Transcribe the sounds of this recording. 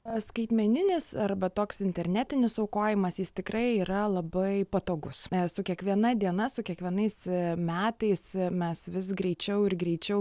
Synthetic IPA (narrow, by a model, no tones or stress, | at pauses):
skɐɪt̪ʲmʲɛnʲɪnʲɪsɐrbɐt̪oːksɪnʲt̪ʲɛɾʲnʲæt̪ʲɪnʲɪsɐʊkoːjɪmɐsjɪst̪ʲɪkrɐɪiːɾɐlˠɐbɐɪpɐt̪oːɡʊssʊkʲiɛkʋʲiɛnɐd̪ʲiɛnɐsʊkʲiɛkʋʲiɛnɐɪsmʲæːt̪ɐɪsmʲɛsʋʲɪs̬ɡɾʲɛɪt͡ʃʲɛʊɪɾɡɾʲɛɪt͡ʃʲɛʊ